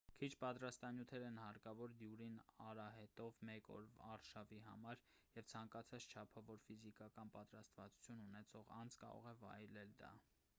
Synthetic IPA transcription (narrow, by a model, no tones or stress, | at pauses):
kʰit͡ʃʰpɑt̪ɾɑst̪ɑnjut̪ʰɛɾɛnhɑɾkɑvɔɾd̪juɾinɑɾɑɦɛt̪ɔvmɛkɔ̰ɾvɑɾʃɑviɦɑ̰mɑɾjɛvt͡sʰɑŋkɑt͡sʰɑt͡st͡ʃʰɑpʰɑvɔɾfizikɑkɑnpɑt̪ɾɑst̪vɑt͡su̥t͡sʰjununɛt͡sʰɔʁɑnt͡skɑ̰ɾɔ̰ʁɛvɑ̰jlɛld̪ɑ̰